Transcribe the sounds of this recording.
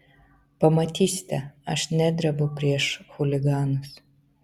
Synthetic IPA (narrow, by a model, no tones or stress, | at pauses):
pɐmɐt̪ʲiːsʲɪ̥t̪ʲɛɐʃnʲæd̪ʲɾɐbɐpʲɾʲiɛʃxʊlʲɪɡɑːnʊs